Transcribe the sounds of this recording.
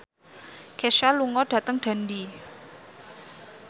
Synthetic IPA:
keʃaluŋɔɖ̥a̤t̪əŋɖ̥a̤ndi

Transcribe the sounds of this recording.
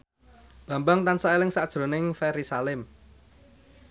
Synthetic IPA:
b̥ä̤mbaŋt̪ansaelɪŋsad̥ʒ̥ɾo̤nɪŋfɛɾisalɪm

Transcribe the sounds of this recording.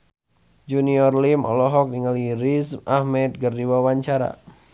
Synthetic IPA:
d͡ʒuniɔrlimɔ̰lɔɦɔk̚niŋaliɾismʔahmɛt̪̚ɡərdiwawaɲt͡ʃaɾa̰

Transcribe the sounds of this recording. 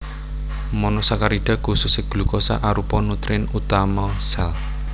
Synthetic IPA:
mɔnɔsakaɾiɖ̥a̤ɡ̥ṳsuseɡ̥lṳkɔsa̰ʔaɾupɔnut̪ɾɪnut̪amɔsɛl

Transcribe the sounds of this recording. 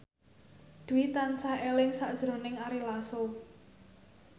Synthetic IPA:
d̪̥uit̪ansaelɪŋsaʔd̥ʒ̥ɾo̤nɪŋaɾilaso

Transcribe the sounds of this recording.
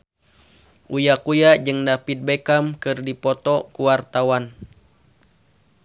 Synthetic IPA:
ʔujakujad͡ʒɨŋdapit̪̚bekamkɨrdipɔt̪ɔkuwart̪awan

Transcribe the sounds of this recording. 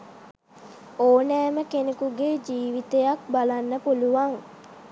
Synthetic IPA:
oːnɛːməkenekuɡed͡ʒiːʋit̪ejak̚balanːəpuluʋaŋ

